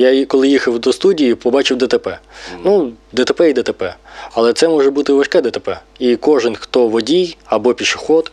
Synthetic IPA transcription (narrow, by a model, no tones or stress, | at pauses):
jakɔlˠɪjixɐwd̪ɔst̪udʲijipɔbɑt͡ʃɪwd̪ɛt̪epɛnud̪ɛt̪epɛid̪ɛt̪epɛɐlˠɛt̪sɛmɔʒɛbut̪ɪʋɐʃkɛd̪ɛt̪epɛ | ikɔʒɪnxt̪ɔʋɔdʲijɐbɔpʲiʃɪ̥xɔt̪